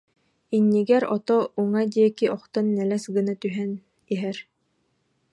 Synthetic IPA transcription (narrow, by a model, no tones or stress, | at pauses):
inːiɡɛɾɔt̪ɔʔuŋad̪iɛkiɔχt̪ɔnːɛlɛsɡɯnat̪yɦɛn | iɦɛɾ